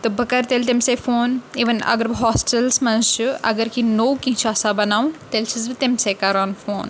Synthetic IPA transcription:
t̪obʱɐkɐɾt̪elt̪emsefoːniːʋɐnɐ̰ɡɐɾbɦɔːsʈɐlsmɐnʃuɐ̰ɡɐɾkinoːwkĩɦt͡ʃʰaːsaːbɐnaːʋt̪elt͡ʃʰizbit̪emsekɐɾaːnfoːn

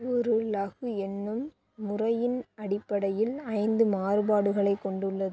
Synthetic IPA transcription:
ɔɾɯlɐɣɯɛnːɯmː | ʊrɐjɪnɐɽɪpːɐɽɐjɪlɐɪnd̪ɯmaːɾɯbaːɽɯɣɐɭɐɪkːɔɳɖɯɭːɐðɯ

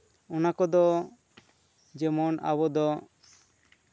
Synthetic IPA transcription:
ɔnakɔd̪ɔ | d͡ʒɛmɔna̰βɔd̪ɔ

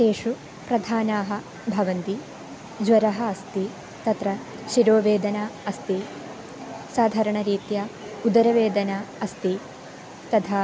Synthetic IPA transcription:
t̪eːʂu | pɾɐd̪ʱaːnaːɦɐ̆ | bʱɐʋɐnt̪i | d͡ʒʋɐɾɐɦɐɐst̪i | t̪ɐt̪ɾɐ | ʃiɾoːʋeːd̪ɐnaːɐst̪i | saːd̪ʱaːɾɐɳɐɾiːt̪jaːud̪ɐɾɐʋeːd̪ɐnaːɐst̪i | t̪ɐt̪ʰaː

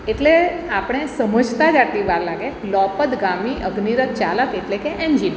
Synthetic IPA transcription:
eʈleapɽ̃esəməd͡ʒʱt̪ad͡ʒaʈ̪liʋaɾlaɡelɔpət̪ɡamiʔəɡniɾət̪̚t͡ʃaləkeʈlekeʔɛnd͡ʒin

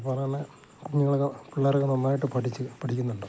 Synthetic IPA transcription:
ɨpoɾaːne | kuɲːuɣɐɭkɐpiɭːɐrɐkːɐnonːaːjiʈːɨpɐʈʰit͡ɕːɨpɐʈʰikʲːunːuɳɖɨ

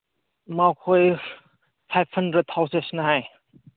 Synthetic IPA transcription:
mawkʰoj | fʰajpʰhəndɾət̚t̪ʰawsesnɐɦaj

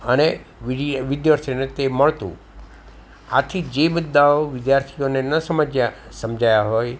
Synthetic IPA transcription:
əneʋiɖʋɪd̪jaɾt̪ʰonet̪eməɭt̪ṵ̃ | a̰t̪ʰid͡ʒebud̪ːaoʋɪd̪jaɾt̪ʰijonenəsəməd͡ʒjasəmd͡ʒajaɦoj

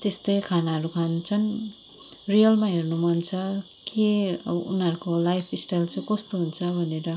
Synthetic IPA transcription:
t̪est̪ʌjkʰanaɦʌɾukʰant͡sʰʌn | rijʌlmaɦernumʌnt͡sʰʌ | keʌ̰bʌʔṵnɦʌɾukolajpʰisʈajlt͡sʰʌ̃kʌst̪oɦunt͡sʰʌbʱʌneɾʌ

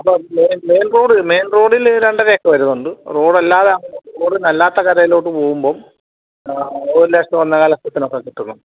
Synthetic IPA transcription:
ɐpːomeːnmeːnroːɽɨme̞ːnro̞ːɽilɾeɳɖɐɾejɐkːɐʋɐɾunːuɳɖɨro̞ːɽɐlːaːðɐɐŋɐroːɽɨnɐlːaːt̪ːɐkɐɾɐjilo̞ːʈːɨpoːɣumbo̞ːm | oːɾleːʂtɐʋɐnːɐkaːlɐsɐt̪ːino̞kːekiʈːunːu

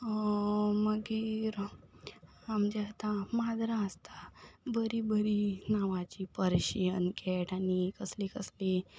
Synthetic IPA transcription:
məɡiɾ | amd͡ʑɛt̪amad̪ɾaəst̪ḁbəɾibəɾinaʋat͡ɕipəɾɕiənkɛʈanikəslikəsli

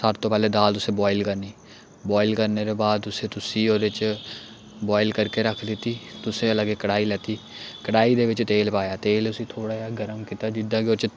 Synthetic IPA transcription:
saːɾt̪õpɛːled̪aːlʊsebɔːɪlkəɾniː | bɔːɪlkəɾneɾebaːd̪ʊset̪ʊsiːɔːɾɪt͡ʃ | bɔːɪlkəɾkeɾəkʰleːt̪iːt̪ʊseɐləɡekːəɽaːilɛːt̪iː | kəɽaːid̪eːʋɪt͡ʃt̪eːlpaːjaːt̪eːlʊsit̪ʰoːɽaːjaːɡəɾəmkit̪aːd͡ʒɪd̪aɡeɔːɾt͡ʃ

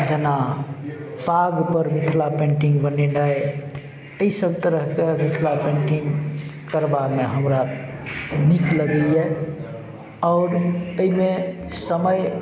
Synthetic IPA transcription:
d͡ʒəna | paɡpəɾmit̪ʰlapẽɳʈĩŋɡbəneɖae | əisəb̚t̪əɾəɦkemit̪ʰlapẽɳʈiŋɡkəɾbameɦəmɾa | nikləɡəje | ɔːɾəimesəməj

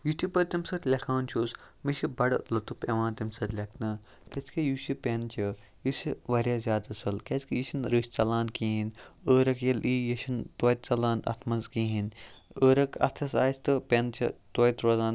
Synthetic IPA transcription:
jut̪ipɐɾt̪imsɐt̪ʲlʲekʰaːnt͡ʃʰoːsmiʃibɐɽlɐt̪upeʋãːnt̪imsɐt̪ʲlʲeknɨ | kɐt͡skɐjuʃipʲent͡ʃʰi | jusiʋɐɾjaːzʲjaːd̪ɐsɐlket͡skijiʃinɾɨːʃʲt͡sɐlãːnkiːɦinəːɾɐkjɐlʔiːjɐʃint̪oːjt̪̚ʲt͡sɐlaːnd̪ɐ̰t̪ʰmɐnzkiːɦinəːɾɐkɐ̰t̪ʰɐsaːsʲt̪ɨpʲent͡ʃʰḭt̪oːjt̪ɾoːzaːn

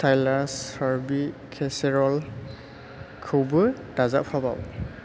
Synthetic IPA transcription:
tʰajlaɹsaɹbikʰɛsɛɹɔl | kʰubɯ | d̥azaʔpʰaba̰w

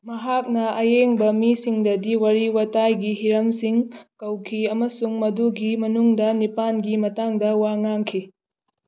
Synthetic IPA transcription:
mɐɦak̚nɐɐjeŋbɐmisiŋdɐdiwɐɾiwɐtajɡiɦiɾɐmsiŋkɐwkʰiɐmɐsuŋmɐduɡimɐnuŋdɐnipanɡimɐtaŋdɐwaŋaŋkʰi

